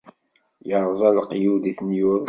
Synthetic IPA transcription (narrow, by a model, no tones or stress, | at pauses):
jəɾˤzˤɑlqːjud̪iθnjuðˤ